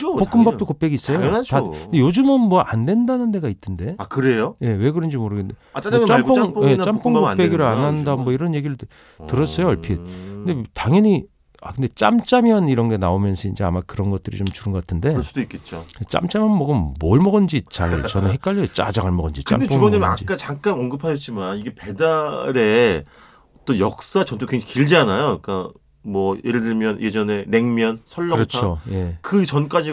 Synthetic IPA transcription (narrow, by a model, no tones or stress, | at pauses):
pokk͈ɯmbapt͈okop͈eɡis͈ʌjotaɯndejod͡ʑɯmɯnmwʌʔandwe̞ndanɯnde̞ɡaitʰɯnde̞akɯɾejoje̞we̞ɡɯɾʌnd͡ʑimoɾɯɡndeat͡ɕamppʰŋpje̞t͡ɕampʰoŋkop͈e̞ɡiɾoananndanmwʌiɾʌnje̞ɡiɾɯɭ | ttɯɾʌs͈ʌjoʌɭpʰiet̚kɯndetaŋjʌɲi | a̰kɯnde̞t͡ɕ͈a̰mt͡ɕ͈amjʌniɾʌnɡe̞naomjʌnsʰʌind͡ʑe̞a̰makɯɾʌnɡʌt̚t͈ɯɾḭt͡ɕomt͡ɕuɾɯnŋɡʌk͈atʰɯnde̞sdoik͈et͡ɕ͈oet͡ɕ͈a̰mt͡ɕ͈amjʌnmʌɡɯnmoɭmʌɡʌnd͡ʑit͡ɕaŋit͡ɕʌnɯnɦek̚k͈aʎːʌt͡ɕ͈a̰d͡ʑaŋaɭmʌɡʌnd͡ʑikt͡ɕa̰mdeuɡʌɲimia̰d͡ʑiat͡ɕaŋk͈anʌŋɡɯpʰaɕʰʌt̚t͡ɕ͈imaniɡe̞pe̞daɾe̞ | ʌt͈ʌnjʌk̚s͈at͡ɕʌntʰokeŋd͡ʑʰakiɭd͡ʑianajok͈a | mwʌjeɾɯɭdɯɭmjʌnje̞d͡ʑʌne̞ne̞ŋmjʌnsʰʌɭːʌɯɾʌt͡ɕʰoje̞kɯt͡ɕʌnk͈ad͡ʑi